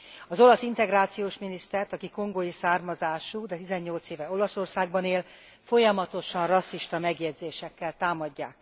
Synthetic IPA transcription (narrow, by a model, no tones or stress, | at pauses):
ɒzo̞lɒsint̪ɛɡraːt̪sijoːʃminist̪ɛrt̪ɒkiko̞ŋɡojisaːrmɒzaːʃuːd̪ɛt̪izɛɲːo̞lt̪seːvɛo̞lɒso̞rsaːɡbɒneːl | fo̞jɒmɒt̪o̞ʃɒnrɒsːiʃt̪ɒmɛɡjɛd̪zeːʃɛkːɛlt̪aːmɒɟːaːk